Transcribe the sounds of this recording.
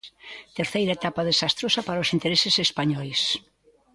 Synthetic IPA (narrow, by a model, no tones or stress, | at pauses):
t̪eɾθejɾaet̪apɐðesast̪ɾosɐpaɾaosint̪eɾesɪsespaɲɔjs